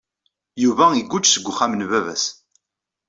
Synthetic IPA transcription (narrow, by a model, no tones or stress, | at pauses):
juvæiɡʷːʊt͡ʃːsəɡʷːʊχamənvævæs